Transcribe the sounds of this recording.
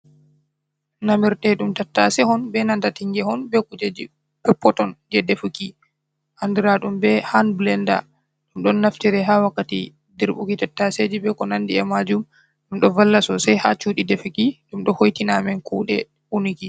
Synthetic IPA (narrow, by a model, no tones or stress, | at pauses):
namiɾtɛɗumtatːasɛhɔnbɛnandatiŋɡɛhɔnbɛkud͡ʒed͡ʒi | pɛpːɔtɔnd͡ʒɛdefuki | ʔandiɾaɗumbɛhanblɛnda̰ | ɗumɗɔnːaftiɾɛɦawakːatḭ | diɾɓṵkitatːased͡ʒibɛkɔnandiɛmad͡ʒum | ɗumɗɔvalːasɔsɛjha̰t͡ʃuːɗidefukiɗumɗɔhojtinamɛnkuːɗɛ̰ | uniki